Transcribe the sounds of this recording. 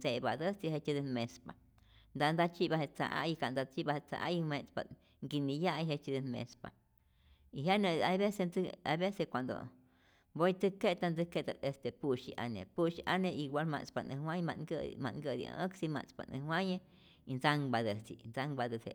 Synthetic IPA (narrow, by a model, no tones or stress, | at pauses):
d͡zebad̪ət͡siɦet͡ʃid̪ənmespa | nd̪and̪at͡ʃibaɦet͡sa̰ʔa̰jikand̪at͡ʃibahet͡sa̰ʔa̰jiwẽt͡spa̰ | ŋɡinijajɦet͡ʃid̪ənmḛspa̰ | iɦjanəajbesend͡zajbesekʷand̪o̰ | bojt̪ɨket̪and͡zɨkeʔt̪alest̪epuʃiʔa̰nḛpuʃiʔaneʔiɡʷalma̰t͡spanʔəwʷãjmaɡəmaŋɡəd̪ḭʔəksima̰t͡spa̰nɨ̰waje | ind͡zaŋbad̪ət͡sḭnd͡zaŋbad̪əse